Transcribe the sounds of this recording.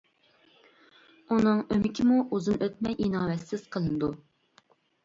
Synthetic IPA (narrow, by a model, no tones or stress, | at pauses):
unɨŋømɪkʲʰɪmuʔuzɨnøt̪̚mɛjʔinɑːwɛt̪sɪz̥qʰəlˠɨnɨd̪u